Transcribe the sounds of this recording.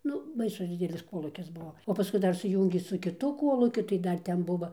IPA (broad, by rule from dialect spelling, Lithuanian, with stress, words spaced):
ˈnʊ ˈbɐɪsʊs ˈdʲɪdʲɛlʲɪs ˈkoːlˠuːkʲɪs ˈbʊʋoː oː pɐˈskʊɪ ˈdɐr sʊˈjuːŋʲɡʲeː sʊ kʲɪˈtʊ ˈkoːlˠuːkʲʊ tɐɪ ˈdɐr ˈtʲɛn ˈbʊʋoː